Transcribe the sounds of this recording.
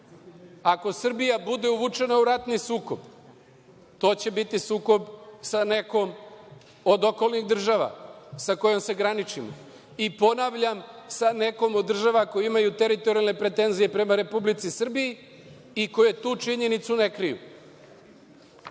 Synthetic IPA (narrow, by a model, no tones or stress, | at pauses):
ako̞sr̩bijabud̪e̞uʋut͡ʂe̞nauɾat̪nisuːko̞b̥ | t̪o̞ːt͡ɕe̞bit̪isuːko̞bsane̞ko̞m | od̪o̞ko̞lˠniɣd̪r̩ʒaʋa̰sako̞jo̞mse̞ɡɾanit͡ʃimo̰ | ipo̞naːʋʎamsane̞ko̞mod̪ːr̩ʒaʋako̞jiimajut̪e̞ɾit̪o̞ɾijalne̞pɾe̞t̪e̞nzije̞pɾe̞maɾe̞publit̪sisr̩biji | iko̞jet̪uːt͡ʃiɲe̞nit̪sune̞kɾijṵ